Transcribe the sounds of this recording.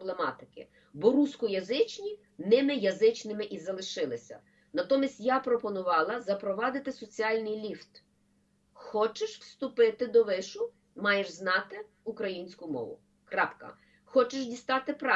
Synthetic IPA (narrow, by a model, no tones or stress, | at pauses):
blˠemɑt̪ɪkɪ̰ | bɔɾuskʊjɐzɪt͡ʃnʲi | nɪmɪjɐzɪt͡ʃnɪmɪʔizɐlˠɪʃɪlˠɪsʲɐ̰ | nɐt̪ɔmʲisʲtʲjapɾɔpɔnʊʋɑlˠɐzɐpɾɔʋɑd̪ɪt̪ɪsɔt͡sʲiɑlʲnɪjlʲift̪ | xɔt͡ʃɪʃwst̪ʊpɪt̪ɪd̪ɔʋɪʃʊ | mɑjeʒznɑt̪ɪ | ukɾɐjinʲsʲkʊmɔ̰ʋʊ̰ | kɾɑpkɐ̰ | xɔt͡ʃɪʃdʲist̪ɑt̪ɪpɾɑ